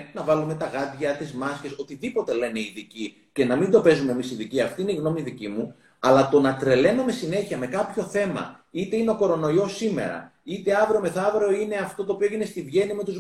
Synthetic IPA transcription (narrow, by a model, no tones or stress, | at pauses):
nɐvɐlume̞t̪ɐɣɐðʝɐt̪izmɐsçe̞so̞t̪iðipo̞t̪e̞le̞ne̞iðici | ce̞nɐmind̪o̞pe̞zumemisiðiciɐft̪iineiɣno̞miðicimu | ɐlɐt̪o̞nɐt̪ɾe̞le̞no̞me̞sine̞çiɐme̞kɐpço̞θe̞mɐ̰ | it̪e̞ineo̞ko̞ɾo̞no̞io̞sime̞̰ɾɐ̰it̪e̞ɐvɾome̞θɐvɾo̞ine̞ɐft̪o̞t̪oːpioʝine̞st̪iðʝe̞nime̞t̪uz